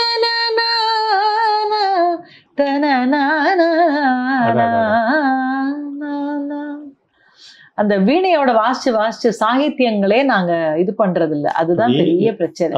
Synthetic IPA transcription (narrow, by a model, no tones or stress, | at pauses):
nana | na | t̪ɐnɐnana | na | nana | ɐnd̪ɐʋiːɳɐjoːɽɐʋaːt͡ʃɯʋaːst͡ʃːɯsaːɣɪt̪ːjɐŋɡɐɭeːnaːŋɡɐɪðɯpɐɳːɾɐðɪlːɐ̰ʔɐ̰ðɯt̪ãːmpɛɾɪjɐpɪɾɐt͡ʃːɐnɐ̰̃